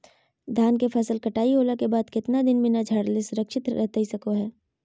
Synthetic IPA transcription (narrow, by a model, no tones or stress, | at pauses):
d̪ʱaːnkepʰɛsəlkɐʈaːiɦoːlakebaːd̪kɪt̪nad̪ɪnmẽnɐd͡ʒʱɐɽlɪsʊɾəkʃɪt̪ɛt̪aisɐkoɦɛː